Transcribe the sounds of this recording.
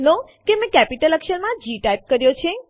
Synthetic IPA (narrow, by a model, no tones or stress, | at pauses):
no | kemẽkɛpiʈələkʃəɾmãd͡ʒiʈajp̚kəɾjot͡ʃʰe